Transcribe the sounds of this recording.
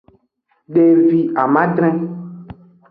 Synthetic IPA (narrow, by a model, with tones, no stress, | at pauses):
ɖe˨vi˨a˨mã˦ɖɾɛ̃˦